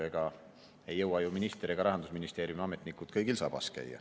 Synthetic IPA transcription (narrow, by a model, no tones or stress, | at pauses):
eɡ̥ɑ | e̞jːɤwɑjuminist̪eɾiɡ̥ɑɾɑɦɑnd̪̥usminist̪eːɾjumɑme̞t̪ˑnikːˑut̪kɤjɡilsɑ̰ːb̥ɑ̰skæ̰jːɑ̰